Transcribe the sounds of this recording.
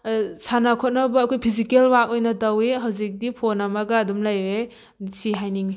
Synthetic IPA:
sanakʰɔt̚nɐbɐːkʰojpʰizikelwak̚ojnɐtɐweɦawzik̚dipʰonamɐɡaːdumlajɾe | siɦajniŋi

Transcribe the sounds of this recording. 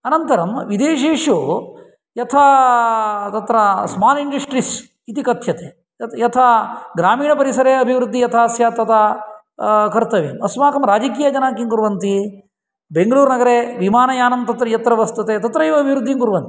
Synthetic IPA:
ɐnɐnt̪ɐɾɐmʋid̪eːʃeːʂoː | jɐt̪ʰa | t̪ɐt̪ɾɐsmaːniɳɖɐsʈɾis | it̪ikɐt̪ʰjɐt̪eː | jɐt̪ʰaɡɾaːmiːɳɐpɐɾisɐɾeɐbʱiʋɾud̪ʱːijɐt̪ʰaːsjaːt̪ɐt̪ʰa | kɐɾt̪ɐʋimɐsmaːkɐmɾaːd͡ʒɐkiːjaːd͡ʒɐnaːkiŋkuɾʋɐnt̪i | beŋɡɐɭuːɾnɐɡɐɾeːʋimaːnɐjaːnɐmt̪ɐt̪ɾɐjɐt̪ɾɐʋɐst̪ɐt̪eːt̪ɐt̪ɾɐjiʋɐːbʱiʋɾud̪ʱːiŋkuɾʋɐnt̪i̥

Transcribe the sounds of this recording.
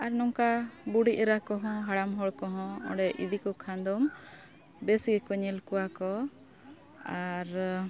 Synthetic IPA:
aɾnɔŋkabuɽiʔɾakɔɦɔ̃ɦaɽamɦɔɽkɔɦɔ̃ɔ̰̃ɖɛʔḭd̪ikɔkʰãnd̪ɔm | besikɔɲɛlkuwakɔ | aɾ

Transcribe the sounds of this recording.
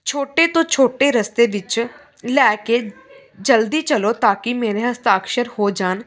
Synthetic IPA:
t͡ʃʰoːʈeːt̪õːt͡ʃʰoːʈeːɾəst̪eːʋɪt͡ʃ | lɛːke | d͡ʒəld̪iːt͡ʃəloːt̪aːkɪmeːɾeːɦəst̪aːkʃəɾhoːd͡ʒaːn

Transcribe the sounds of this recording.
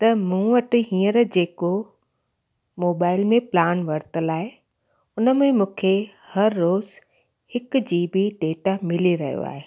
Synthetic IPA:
t̪ɐmũʋɐʈɪ̆ɦĩːəɾd͡ʑeːko | moːbaːɪlmẽplaːnʋɐɾt̪əlaːɦe | ʊnə̆mẽmũːkʰehɐɾːoːz | hɪk̆d͡ʑiːbiɖeːʈamɪliɾɐɦijo̰a̰ːɦeː

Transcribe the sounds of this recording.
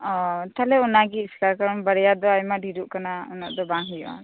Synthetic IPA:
ɔt̪alɛunaɡiːslakəɾɔmbəɾɛjad̪ɔajmaɖʱiɾuʔkanaunaʔd̪ɔbaŋɦijʔa̰n

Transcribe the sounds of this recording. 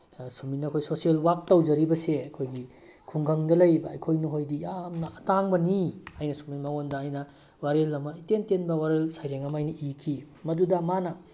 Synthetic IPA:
suminɐkʰojsosielwak̚tɐwd͡ʒɐɾibɐseɐkʰojɡi | kʰuŋɡʰʱɐŋdɐlɐjbɐɐ̰jkʰojnuɦojdijamnɐʔɐtaŋbɐniajnɐsuminmaŋondɐːjnɐ | waɾelːɐmɐitentenbɐwaɾelsajɾeŋɐmajnɐʔikʰi | mɐdudɐmanɐ

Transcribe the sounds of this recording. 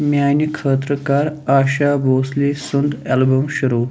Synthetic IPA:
mjaːnikʰəːt̪ɾəkaɾaːɕabʱoslesund̪ɛlbəmɕuɾoː

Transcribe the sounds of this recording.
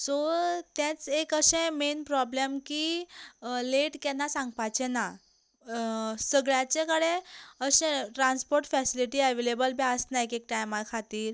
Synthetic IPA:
sot̪jãt͡sekəɕẽmenpɾɔblemki | leʈkɛnːasãŋɡpajt͡ɕena | səɡɭjat͡ɕekəɽeəɕẽʈɾanspoɾʈfɛsiliʈiəʋelebəlbiəsnaekek̚ʈajmakʰat̪iːɾ

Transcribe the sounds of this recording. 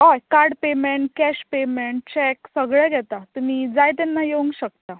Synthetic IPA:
ɦɔjkaɾɖpemeɳʈ̚kɛɕpemeɳʈ̚t͡ɕɛksəɡɭɛɡʱɛt̪at̪um̤iːd͡zajt̪̬ɛnːajeũŋɡɕək̚t̪a

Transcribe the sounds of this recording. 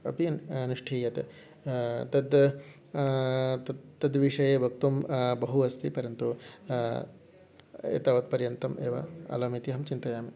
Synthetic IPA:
ɐ̰piɐnuʂʈʰiːjɐt̪e | t̪ɐd̪ | t̪ɐt̪ːɐd̪ʋiʂɐjeːbʱɐk̚t̪umbɐɦuɐst̪ipɐɾjɐnt̪u | ḛːt̪aːʋɐt̪̚pɐɾjɐnt̪ɐmeːʋɐ̰ɐ̰lɐːmit̪iɦɐmt͡ʃint̪ɐjaːmi

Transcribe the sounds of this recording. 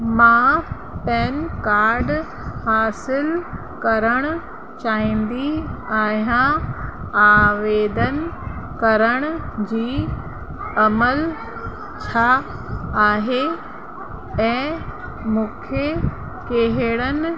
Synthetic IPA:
mã | pɛːnkaːɾɖ | haːsɪl | kɐɾəɽ̃ʊ | t͡ɕaːɦĩːn̆d̪iaːɦjã | aːʋeːd̪ənkɐɾəɽ̃ʊd͡ʑiː | ɐməl | t͡ɕʰaː | aːɦe | ɛ̃ː | mũːkʰe | keɦɪɽən

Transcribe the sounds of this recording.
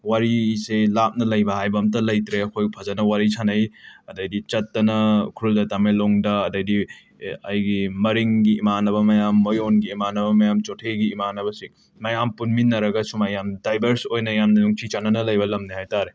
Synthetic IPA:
waɾiselap̚nɐlɐjbɐɦajbɐmt̬ɐlɐjtɾeɐkʰojpʰɐzɐnɐwaɾisanɐjɐdɐjdit͡ʃɐtːɐnɐkʰɾuldɐtameloŋdɐːdɐjdi | ɐjɡimɐɾiŋɡiːmanɐbɐmɐjamːojonɡiːmanɐbɐmɐjamt͡ʃotʰeɡiːmanɐbɐsiŋ | mɐjampunminːɐɾɐɡɐsumajamdajbʱɐɾsojnɐjamnɐnuŋtʰit͡ʃanɐnɐlɐjbɐlɐmnihajtaɾe

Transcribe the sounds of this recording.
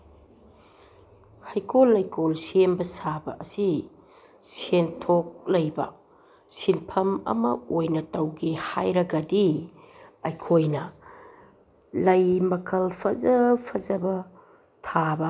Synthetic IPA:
hajkolːɐjkolsenbɐsabɐ̰ʔɐsi | sentʰok̚lɐjbɐ̰ | sinpʰɐmɐ̰mɐ̰ojnɐtɐwɡihajɾɐɡɐdi | ɐjkʰojnɐ | lɐjmɐkʰɐlpʰɐzɐpʰɐzɐbɐ | tʰabɐ

